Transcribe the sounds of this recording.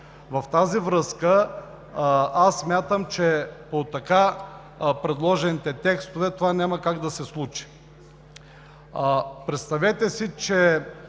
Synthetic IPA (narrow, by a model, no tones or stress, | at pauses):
vɐft̪azivɾɤskə | asːmʲjat̪əmt͡ʃɛpot̪ɐka | pɾɛd̪lˠɔʒɛnit̪ɛt̪ɛkst̪ovɛt̪ovanʲamɐkaɡd̪ɐsɛslˠut͡ʃi̥ | pɾɛt̪st̪ɐvɛt̪ɛsit͡ʃɛ